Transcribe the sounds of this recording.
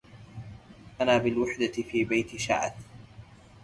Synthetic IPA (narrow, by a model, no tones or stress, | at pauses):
ʔanaːbɪlwaħd̪afiːbajt̪ɪʃa̰ʕat̪